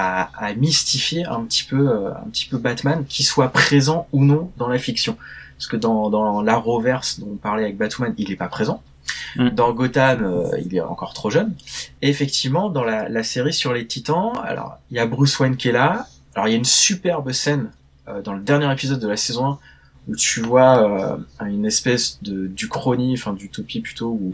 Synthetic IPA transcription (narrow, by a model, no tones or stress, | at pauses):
aːmist̪ifjeɛ̰̃pət̪i̥pøøɛ̰̃pət̪ʰi̥pøbat̪mankʲiswapχezɑ̃unɔ̃d̪ɑ̃lafiksjɔ̃asə̥kəd̪ɑ̃d̪ɑ̃laʁovɛʁsd̪ɔ̃ɔ̃paʁlɛavɛk̚bat̪umanilɛpapχezɑ̃ | d̪ɑ̃ɡɔt̪amø̰ḭlɛ̰ɑ̰̃kɔʁt̪χoʒœneːfɛk̚t̪ʰivmɑ̃d̪ɑ̃lalaseʁisyʁlet̪ʰit̪ɑ̃a̰lɔ̰ʁiljabʁyswɛnkʲiɛla | alɔ̰ʁiljaynsypɛʁbəsɛn | ød̪ɑ̃ləd̪ɛʁnjɛʁepizɔd̪ːəlasɛzɔ̃ɛ̃ | ut̪yvwaøynɛspɛsd̪əd̪ykχɔnĩfɛ̃d̪yt̪opiplyt̪ou